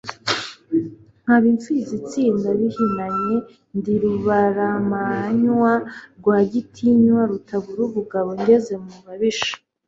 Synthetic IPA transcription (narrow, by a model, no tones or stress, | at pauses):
ŋ̥haβiɱfizit͡siːndaβihinaɲe | ndiɾuβaɾamaɲwaɾɡwaːɟitʰiɲwaɾutaβuɾuβuɡaβo̞ɲdeze̞muβaβiʃḁ